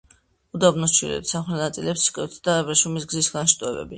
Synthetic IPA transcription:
ud̪abnɔst͡ʃʰwḭlɛ̰t̪saχlɛnat̪sʼilɛpsi̥kʼɛt̪ʰd̪̥aɛbɾɛʃumisɡzisɡanʃt̪ʼɔɛbɛ̰bi

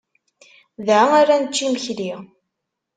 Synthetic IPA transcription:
ðʕaaɾænət͡ʃːiməçli

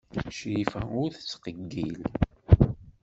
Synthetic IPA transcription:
ʃifæʊɾθə̥t͡sːqəɡːil

